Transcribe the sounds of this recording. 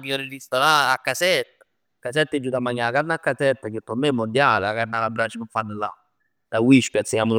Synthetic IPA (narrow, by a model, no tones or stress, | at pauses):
kiɔɾɪɾist̪ɔɾaakːasɛta | kas̬ɛtːed͡ʒutamaɲakanakːasɛtːakɪtːɔmɛmɔndialakanakabɾat͡ʃimfanːɪla̰ | d̥awiʃpasɛamʊ